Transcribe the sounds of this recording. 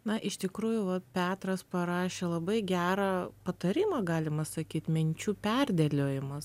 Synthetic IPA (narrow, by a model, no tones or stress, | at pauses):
nɐʔɪʃt̪ʲɪkɾuːjʊʋɐpʲæːt̪ɾɐspɐɾɑːʃʲeːlˠɐbɐɪɡʲæːɾɑːpɐt̪ɐɾʲɪmɐːɡɑːlʲɪmɐsɐkʲiːt̪mʲɪnʲt͡ʃʲuːpʲɛrʲd̪ʲɛlʲoːjɪmɐs